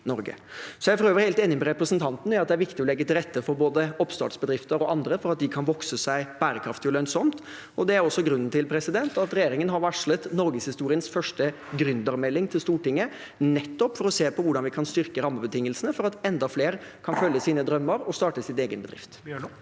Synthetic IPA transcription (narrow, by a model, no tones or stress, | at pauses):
nɔɾɡə̰sɔjæɪfɔɾøːʋəɾheɪlt̪eːnɪmɛɾɛpɾəsənt̪ʰɑnt̪nɪɑt̪d̪ɛæɾʋɪkt̪ɪɔlɛɡːət̪ɪlɾɛt̪ːəfɔɾboːd̪əɔpːst̪ɑ̰ːʈsbəd̪ɾɪft̪əɾɔʔɑnd̪ɾəfɔɾɑt̪̚d̪ɪkʰɑnʋɔksəsæɪb̥æːɾəkʰɾɑft̪ɪɔlœnsɔmt̪ | ɔd̪ɛæɾɔsːɔɡɾʉnːn̩t̪ʰɪlpʰɾɛsɪd̪ɛnt̪ɑt̪ɾɛjeːɾɪŋənɦɑɾʋɑʂɭət̪nɔɾɡəshɪst̪uːɾɪənsfœʂʈə | ɡɾʉnd̪ɑɾmɛlːɪŋt̪ʰɪlst̪uːʈɪŋːə | nɛt̪ːɔpfɔɾɔseːpʰɔʋʊɖɑnʋɪkʰɑnst̪ʏɾkəɾɑmːəbət̪ɪŋːəlsənəfɔɾɑt̪ɛnd̪ɑfleːɾkʰɑnfœljːəsiːnəd̪ɾœmːəɾɔst̪ɑːʈəsɪt̪eːɡənbəd̪ɾɪ̰ft̪